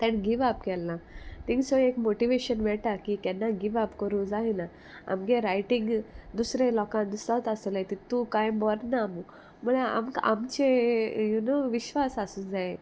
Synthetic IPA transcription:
t̪ɛ̃nɡiʋap̚kɛlːãt̪ĩŋɡsɔ̃ekmoʈiʋeɕənʋɛʈakit̪ɛnːaɡiʋapkəɾũd͡zaɦena | a̰mɡẽɾajʈĩŋɡd̪usɾẽlɔkãnd̪usɾat̪asəlajt̪it̪ũkãjbɔɾnamu | məɭaa̰mka̰mt͡ɕejunoʋiɕʋasasũːd͡zae

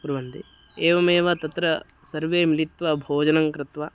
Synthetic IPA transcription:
puɾʋɐnd̪i | eːʋɐmeːʋɐt̪ɐt̪ɾɐ | sɐɾʋeːmilit̪ʋɐbʱoːd͡ʒɐnɐŋkɾɪt̪ʋɐ

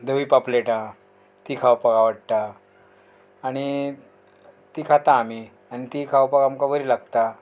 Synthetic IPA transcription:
d̪ʱəʋipapleʈa | t̪ikʰawpaɡaʋəɽt̪a | ɽ̃i | t̪iːkʰat̪aːm̤i | aɽ̃it̪ikʰaʋpaɡamkaʋəɾiːlaɡt̪a

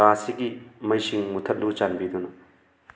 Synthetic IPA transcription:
asiɡimɐjsiŋmutʰɐt̚lut͡ʃanbid̪unu

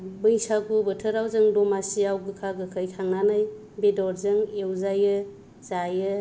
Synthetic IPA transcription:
bɯjsaɡubɯtʰəɾawzɯŋdɔmasiawɡɯkʰaɡɯkʰəjkʰaŋnanaj | bedɔɾzɯŋewzajɯ | z̥ajɯ

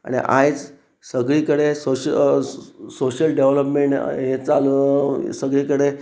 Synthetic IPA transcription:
a̰ɽ̃ḭʔa̰jt͡s | səɡɭiːkəɽesoɕə | soɕəlɖeʋləpmeɳʈɦet͡salsəɡɭiːkəɽe

